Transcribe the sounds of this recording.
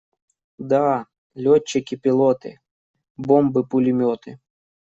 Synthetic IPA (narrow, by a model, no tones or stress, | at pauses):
d̪a | lʲɔt͡ɕːɪkʲɪpʲɪlˠɔt̪ɨ̰ | bɔmbɨpʊlʲɪmʲɔt̪ɨ